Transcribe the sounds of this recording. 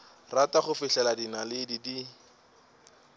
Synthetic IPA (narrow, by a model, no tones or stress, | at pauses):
rataχʊfɪɬɛladinalɪdidi